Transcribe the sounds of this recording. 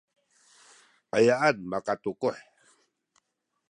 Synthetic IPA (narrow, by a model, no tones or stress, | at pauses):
ʔajaʔanmakat̪ukuħ